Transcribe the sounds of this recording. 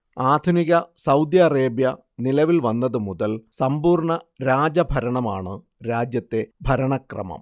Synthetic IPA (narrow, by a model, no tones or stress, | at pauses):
aːd̪ʱuniɣɐsɐwd̪jɐːreːbjɐ | nilɐʋilʋɐnːɐðɨmuðɐlsɐmbuːrɳɐɾaːd͡ʑɐbʱɐɾɐɳɐmaːɳɨ | ɾaːd͡ʑjɐt̪ːe̞bʱɐɾɐɳɐkrɐ̰mɐ̰m